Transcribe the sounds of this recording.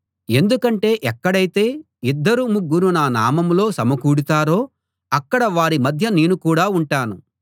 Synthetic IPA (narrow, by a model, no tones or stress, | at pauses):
e̞nd̪ukɐɳʈe̞ːʔɛkːɐɽɐjit̪e̞ː | id̪ːɐɾumuɡːuɾunaːna̰ːmɐmlo̞ːsɐmɐkuːɽut̪aːɾo̞ː | ɐkːɐɽɐʋaːɾimɐd̪ʱjɐne̞ːnukuːɽaːuɳʈaːnu